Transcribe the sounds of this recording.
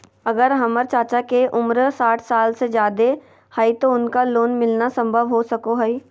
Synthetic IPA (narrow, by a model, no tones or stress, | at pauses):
ɐɡəɾɦɐməɾt͡ʃaːt͡ʃakeʔʊmɾsaːʈʰsaːlsed͡ʒjaːd̪e | hait̪oʊnkaloːnmɪlnasə̃mbʱəʋɦosɐkoɦɐi